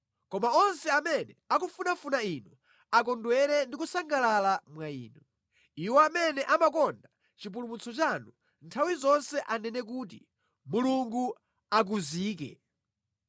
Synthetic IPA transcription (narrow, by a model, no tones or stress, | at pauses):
kɔmaɔnsɛamɛnɛakufunafunainu | akɔndwɛɾɛndik̬usaŋɡalalamwaḭːnɔ | iwɔamɛnɛʔamakɔnda | t͡ʃip̬ulumut͡sʰɔt͡ʃanu | ntʰawizɔnsɛʔanɛnɛk̬uːt̬i | muluŋɡu | ak̬uziːk̬ɛ̰